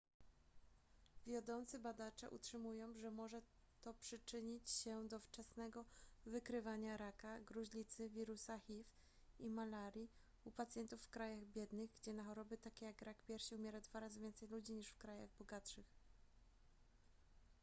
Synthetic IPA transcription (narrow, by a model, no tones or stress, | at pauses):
vʲjad̪ɔnt̪sɘbad̪at͡ʂɛ̰ʔṵtʂɘmujɔ̃w̃ʐɛmɔʐɛt̪ɔpʂɘt͡ʂɘɲit͡ɕɕɛd̪ɔft͡ʂɛsnɛɡɔvɘkɾɘvaɲaɾakaɡɾuʑlʲit̪sɘvʲiɾusaxif | imalaɾʲji | upat̪sʲjɛnt̪ufːkɾajaɣbʲjɛd̪nɘɣɡd͡ʑɛnaxɔɾɔbɘt̪akʲɛjaɡɾakpʲjɛɾɕiumʲjɛɾad̪vaɾazɘvʲjɛnt̪sɛjlud͡ʑiɲiʂfkɾajaɣbɔɡatʂɘx